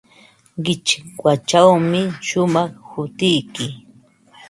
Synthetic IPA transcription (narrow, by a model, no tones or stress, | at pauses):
ɢɪt͡ʃɪkwat͡ʃawmɪʃʊmɑχhʊt̪ɪjkɪ